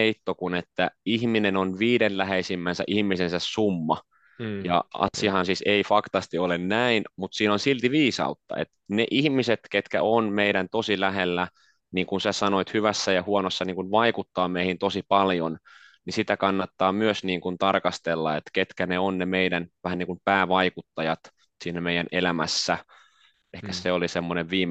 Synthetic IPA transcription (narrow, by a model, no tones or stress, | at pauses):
eit̪ːokunet̪ːæihminenonʋiːdenlæheisimːænsæ̰ʔihmːisensæssumːɑ̰ | jɑ̰ɑ̰siɑhɑnsiːseifɑkt̪ɑst̪iolennæinmut̪siːnonsilt̪iʋiːsɑ̰ut̪ːɑ̰ḛt̪neʔihmiset̪ket̪kæonmeiɾænt̪osilæɦelːæ | niːŋkunsæsɑnoit̪hyʋæsːæjɑhuonosːɑniːŋkunʋɑikut̪ːɑːmeihint̪osipɑljon | nisit̪ækɑnːɑt̪ːɑːmyøsniːŋkunt̪ɑrkɑst̪elːɑ̰ḛt̪ket̪kæneonnemeidænʋæhæniŋkumpæːʋɑikut̪ːɑjɑt̪ | siːnːæmeijænelæmæ̰sːæ | ehkæseolisemːoneʋʋiːm